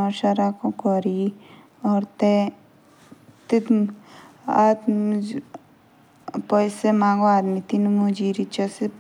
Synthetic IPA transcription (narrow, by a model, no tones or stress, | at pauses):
ɔɾʃaɾakokɔɾi | ɔːɾt̪e | t̪it̪ | at̪ | pɔjsemaːŋɡoaːd̪mit̪inmud͡ʒiɾit͡ʃase